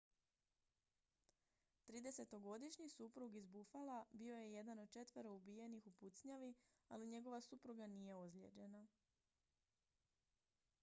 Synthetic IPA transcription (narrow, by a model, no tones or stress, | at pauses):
t̪ɾiːd̪e̞se̞t̪o̞ɡo̞d̪iʃɲisupɾuɡizbufalabio̞je̞je̞d̪ano̞d̪̚t͡ʃe̞t̪ʋəɾoubije̞nixuput̪sɲaʋialiɲe̞ɡo̞ʋasupɾuɡanije̞ozlḛd͡ʑe̞na